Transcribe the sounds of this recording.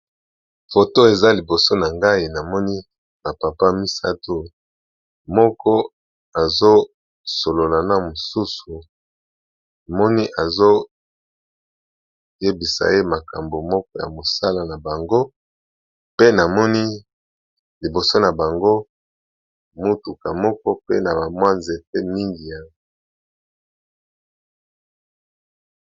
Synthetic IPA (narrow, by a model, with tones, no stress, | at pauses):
fo˨to˦e˨za˦li˨bo˨so˦na˨ŋɡa˦i˨na˨mɔ˦ni˦ | na˨pa˨pa˦mi˦sa˦tʰo˦ | mɔ˦kɔ˦ | a˨zo˦ | so˨lo˨la˨na˦mo˨su˦su˨ | a˨mɔ˦ni˦ʔa˨zo˦ | je˦bi˨sa̰˨e˦ma˨ka̰˨mbo˨mɔ˦kɔ˦ja̰˨mo˨sa˦la˨na˨ba˨ŋɡo˦ | pe˦na˨mɔ˦ni˦ | li˨bo˨so˦na˨ba˨ŋɡo˦ | mo˦tu˨ka˨mɔ˦kɔ˦pe˦na˨ba˨mwa˦nze˨p̚e˦mi˦ŋɡi˨ja˦ŋ˨